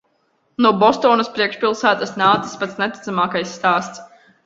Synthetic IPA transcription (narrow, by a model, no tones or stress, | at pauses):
nuɔbɔst̪ɔːnɐspɾiɛkʃpʲilˠsæːt̪asnaːt̪i̥spat̪snɛt̪i̥t̪samaːkajsːt̪aːst̪s